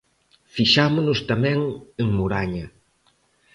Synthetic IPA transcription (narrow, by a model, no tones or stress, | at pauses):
fiʃamʊnʊst̪amɛ̃ŋeŋmuɾaɲɐ